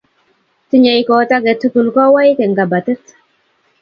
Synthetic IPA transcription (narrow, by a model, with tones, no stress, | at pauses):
ti˦ɲa˨jkɔ˨ta˦ɡɛ˨tu˦ku˨lkɔ˦wa˦jke˨ŋɡa˨ba˨tə˦t